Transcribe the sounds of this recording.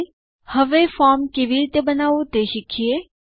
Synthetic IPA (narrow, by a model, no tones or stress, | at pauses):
həʋefɔːɾmkeʋiɾit̪əbənaːʋut̪eʃikʰie